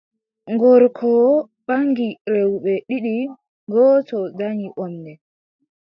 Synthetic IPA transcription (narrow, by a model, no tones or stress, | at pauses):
ŋɡɔɾkʰɔ | ɓaŋɡiɾewɓɛɗiɗi | ɡɔːtɔdaŋiʔɔndɛ